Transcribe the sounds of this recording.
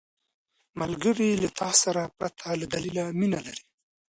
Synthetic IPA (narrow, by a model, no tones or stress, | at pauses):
malɡəɾilat̪ʰɑsaɾapɾat̪ʰalad̪alilaminalaɾi̥